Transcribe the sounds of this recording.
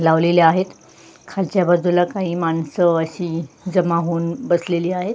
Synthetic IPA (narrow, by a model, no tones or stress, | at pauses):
laʋleleaɦet̪ | kʰalt͡ɕjabəd̪ʱːulakaɦiːmansəəɕiːd͡zəmaɦoːnbəsleliːaɦet̪